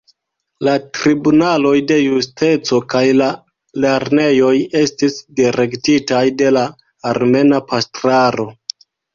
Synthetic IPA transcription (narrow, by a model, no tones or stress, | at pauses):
latɾibunalo̞jde̞juste̞t͡so̞kajla | le̞ɾne̞jo̞je̞stisdiɾe̞ktitajde̞laː | ɾme̞napastɾaɾo̞